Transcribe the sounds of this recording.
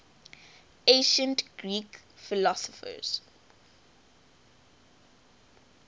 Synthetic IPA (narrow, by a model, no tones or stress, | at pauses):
ẽʃə̃ntɡ̥ɹiːkfilɔsɔfə̰z̥